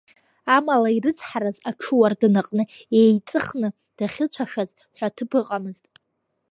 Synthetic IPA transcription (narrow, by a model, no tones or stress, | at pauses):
amalairɨt͡sʰʼħaɾazaʈ͡ʂʰɨwardɨnaqʼnɨejt͡sʼɨχnɨ | d̥aχʲɪt͡ɕʷʰaʂaz | ħʷᶣatʰɨbɨqʼamɨztʼ